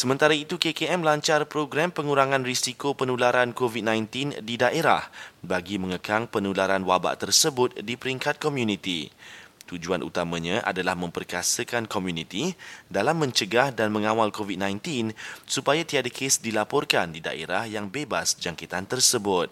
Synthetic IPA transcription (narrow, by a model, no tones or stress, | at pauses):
səmə̃nt̪aɾait̪ukekeɛmlaɲt͡ʃarpɾoɡɾampəŋuɾaŋãnrisikopənulaɾankovit̪̚nãjnt̪indidaʔeɾa̰hbaɡimə̃ŋəkaŋpənulaɾanwaba̰ʔt̪ərsəbʊt̪̚dipəɾiŋkat̪̚kɔmjunit̪ḭt̪ud͡ʒuanʔṵt̪amãɲãʔa̰dalahmə̃mpərkasəkankomjunit̪idalamːə̃ɲt͡ʃəɡahdanmə̃ŋãwalkovid̪̚nãjnt̪insupajat̪iadəkʰesdilapɔrkandida̰ʔḛɾahjaŋbebasd͡ʒaŋkit̪ant̪ərsəbʊt̪̚